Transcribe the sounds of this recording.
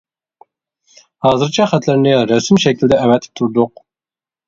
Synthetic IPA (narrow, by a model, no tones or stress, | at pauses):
hɑːzɨɾt͡ʃʰɑχæt̪ʰlɪɾnɪɾæsɪmʃɛkʲild̪ɛʔævɛt̪ʰɪ̥p̚t̪ʰuɾd̪ʊq̚